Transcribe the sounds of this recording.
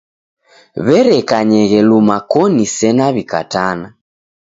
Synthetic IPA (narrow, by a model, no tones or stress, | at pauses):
βɛɾɛkaɲɛɣɛlumakɔnisɛnaβika̰tana